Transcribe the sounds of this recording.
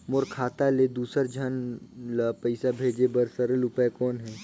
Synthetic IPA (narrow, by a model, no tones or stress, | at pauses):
moɾkʰaːt̪aled̪uːsəɾd͡ʒʱənləpəɪsabʱeːd͡ʒebəɾsəɾəlʊpakɔːnɦɛː